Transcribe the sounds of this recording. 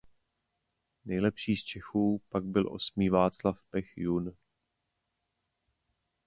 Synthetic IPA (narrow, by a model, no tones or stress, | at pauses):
nɛjlɛpʃiːst͡ʃɛxuːpaɡ̚bɪlʔo̞̰smiːvaːt͡slafpɛxjun